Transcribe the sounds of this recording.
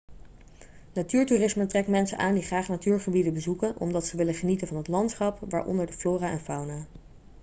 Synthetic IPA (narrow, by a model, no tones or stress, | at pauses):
natyːɹturɪsməntrɛktmɛnsə̰nʔaːndiχraːχnatyːɹχəbidənbəzukənʔɔ̰mdɑtsəʋɪləχənitənvɑnɦətlɑntsχɑpʋa̰ːɹʔɔ̰ndəɹdəfloːraɛ̰nfawnaː